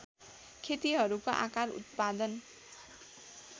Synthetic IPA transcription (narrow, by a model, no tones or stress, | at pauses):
kʰet̪iɦʌɾukoʔa̰kaɾṵt̪̚pad̪ʌn